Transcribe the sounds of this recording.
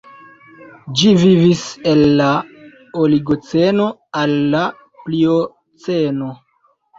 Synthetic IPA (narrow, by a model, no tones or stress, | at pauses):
d͡ʒivivise̞lːa | oliɡot͡se̞no̞alːa | plio | t͡seno̞